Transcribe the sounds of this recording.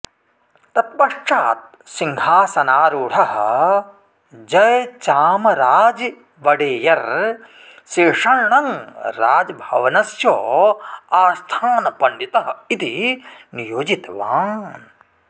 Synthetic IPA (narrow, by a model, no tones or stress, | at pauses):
t̪ɐt̪̚bɐʂʈ͡ʂaːt̪̚ | siŋɡʱaːsɐnaːɾuːʈʰɐɦɐ̰ | d͡ʒɐjt͡ʃaːmɐɾaːd͡ʒ | ʋɐɖeːjɐɾ | seːʂɐɾɳɐŋɾaːd͡ʒbʱɐʋɐnɐsjoːaːst̪ʰaːnɐpɐɳɖit̪ɐɦɐ̆it̪inijoːd͡ʒit̪ʋaːn